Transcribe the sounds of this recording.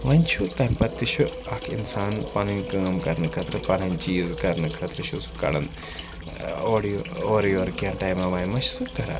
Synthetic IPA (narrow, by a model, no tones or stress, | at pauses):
ʋɐnʲt͡ʃʰut̪ɐjmpɐt̪ːiʃʰuɐkʰḭnsaːnpɐnɐnʲkɐːmkɐɾnɨkʰɐt̪ɾɨpɐnɐnt͡ʃiːzkɐɾnɨkʰɐt̪ɾɨʃʰusu̥kɐ̰ɽɐ̰nd̪ | oːɽooːɾjoːɾkijɐnʈaːjmɐʋɐːjmɐʃsukɐɾa̰ː